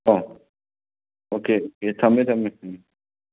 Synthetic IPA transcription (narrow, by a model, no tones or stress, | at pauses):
o | okeoket̪ʰɐmẽt̪ʰɐmet̪ʰɐme